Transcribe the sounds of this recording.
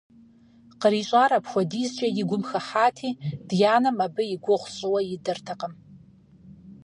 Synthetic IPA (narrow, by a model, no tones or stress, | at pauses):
qəɾiːɕʷʼaːɾɐpxʷɔdiːzt͡ʃʼɐjɪɡʷʊmxɐħaːtʰiːd̥jaːnɐmabɨjɪɡʷʊʁʷɕʼɨwɐjɪdɐrtʰɐqəm